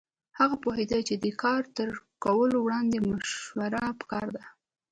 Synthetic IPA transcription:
haɣapoɦed̪ajt͡ʃed̪əkʰɑɾt̪əɾkawəlowɽɑnd̪emaʃwaɾapə̥kɑɾd̪a

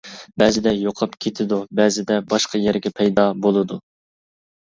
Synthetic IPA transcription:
bɛzɪd̪ɛjoqʰɑpkʲʰet̪ʰɪd̪ubæzɪd̪ɛbɑʃqʰɑjɛɾɡʲɛpʰɛjd̪ɑbolˠɨd̪u

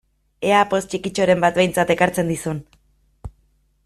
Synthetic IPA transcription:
e̞apo̞st͡ʃikit͡ʃo̞ɾe̞mbat̪̚be̞jnt͡sat̪e̞kaɾt͡se̞nd̪isun

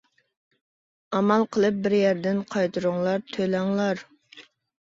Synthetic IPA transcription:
ɑmɑlˠqʰəlˠɨp̚bɪɾjæɾd̪ɪnqʰɑjt̪ʰɨɾʊŋlˠɑɾt̪ʰølɛŋlˠɑɾ

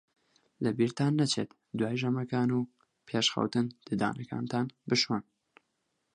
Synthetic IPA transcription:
lɨbiːɾt̪ʰaːnːɐt͡ʃʰḛːt̪ | d̪waːjʒɐmɐkaːnuː | pʰeːʃxɐ̰wt̪ɨnd̪̥ɨd̪a̰ːnɐka̰ːnt̪ʰaːnbɨʃon

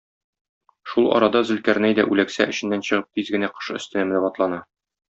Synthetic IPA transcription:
ʃulˠɒ̰ɾɑd̪ɑzɘ̆lkæɾnæjd̪æ̰ʔʉlæksæ̰ʔɘ̆ɕɘ̆nːænɕɤ̆ʁɤp̚t̪izɡɘ̆næqɤ̥ʃɵ̆st̪ɘ̆næmnɘbɒt̪lˠɑnɑ

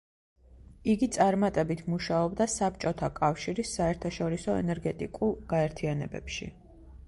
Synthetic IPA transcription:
iɡit̪sʼaɾmat̪ʼɛbit̪ʰmuʃaɔbd̪asap̚t͡ʃʼɔt̪ʰakʼafʃiɾisːaɛɾt̪ʰaʃɔɾisɔɛ̰nɛɾɡɛt̪ʼikʼulˠɡaɛɾt̪ʰianɛ̰bɛ̰pʃḭ

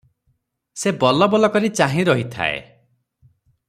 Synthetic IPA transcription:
sebɔlɔbɔlɔkɔɾit͡ʃaɦĩɾɔɦit̪ʰa̰ḛ

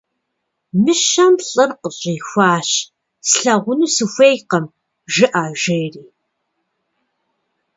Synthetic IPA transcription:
mɨʃɐmɬʼɨrqəɕʼiːxʷɑːɕ | sɬɐʁʷʊnuːsɨxʷejqɐm | ʒɨʔaːʒejriː

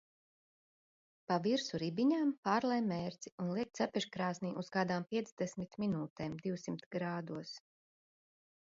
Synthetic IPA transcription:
paviɾsuɾibiɲaːmpaːɾlˠɛjmːɛːɾt̪siunlˠiɛk̚t̪sapʲɛʃkɾaːsniːʔuskaːd̪aːmpʲiɛd̪zd̪ɛsmit̪minuːt̪ɛːmd̪iwsimt̪ɡɾaːd̪uɔs

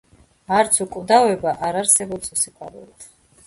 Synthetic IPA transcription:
aɾt̪sʰukʼvd̪avɛbaʔaɾaɾsɛbɔpsɔsikʼwa̰ɾɛ̰lit̪ʰ

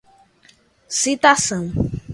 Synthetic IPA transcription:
sit̪asɐ̃w̃

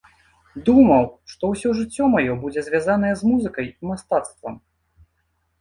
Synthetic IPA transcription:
d̪umɐwʂt̪ɔwsʲɔʐɨt͡sʲːɔmajɔbud͡zʲɛzʲvʲazanɐjɛzmuzɨkɐjimast̪at̪st̪vɐm

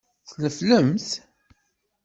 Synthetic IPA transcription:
θləfləmθ

